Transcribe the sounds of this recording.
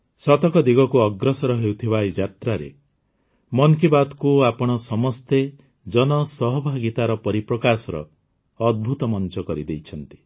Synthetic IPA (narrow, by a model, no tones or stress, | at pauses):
sɔt̪ɔkɔd̪iɡɔkuɔɡɾɔsɔɾɔɦewt̪ʰibajd͡ʒat̪ɾaɾḛ | mɔŋkibad̪kuapɔɽ̃ɔsɔmɔst̪e | d͡ʒɔnɔsɔɦɔbʱaɡit̪aɾɔpɔɾipɾɔkasɔɾɔ̰ː | d̪̚bʱut̪ɔmɔnt͡ʃɔkɔɾid̪ejt͡ʃʰɔnt̪i̥